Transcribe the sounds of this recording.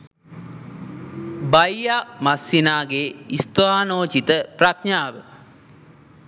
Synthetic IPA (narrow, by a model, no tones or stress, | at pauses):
bajamasːinaːɡeːist̪oaːnoːt͡ʃit̪əpɾakɲaːʋə